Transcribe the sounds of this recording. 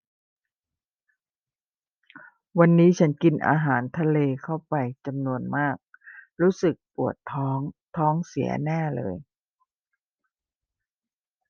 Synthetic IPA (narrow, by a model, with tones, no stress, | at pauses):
wa˧nːiː˦˥t͡ɕʰa˦˥nki˧nʔa̰ː˧ɦaː˩˦nt̪ʰa˧leː˧kʰa˥˩wpa˧jt͡ɕa˧mnu˧ənmaː˥˩k̚ɾuː˦˥sɯ˨˩k̚pu˨˩ət̪ʰːɔː˦˥ŋt̪ʰɔː˦˥ŋsi˩˦ɐ̰nɛː˥˩lɤ̰ː˧j